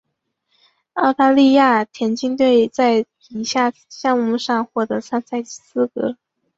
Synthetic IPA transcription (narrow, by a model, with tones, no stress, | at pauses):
ɑ˥˧ʊt̪a˥˧li˥˧ja˥˩t̪ʰjɛ˧˥nt͡ɕi˥ŋt̪we˥˩˧ɪt͡sa˥˩ɪ | i˧˩ɕja˥˩ɕjɑ˥˧ŋmu˥˧ʂɑ˥˧ŋxwɔ˥˩t̪ɤ˧˥sa˥nsa˥˩ɪ˥sɹ̩˥˩kɤ̰˧˥